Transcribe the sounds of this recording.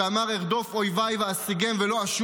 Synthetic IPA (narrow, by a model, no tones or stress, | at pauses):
amaʁeʁd̪o̞fojvajveasiɡemvelo̞aʃ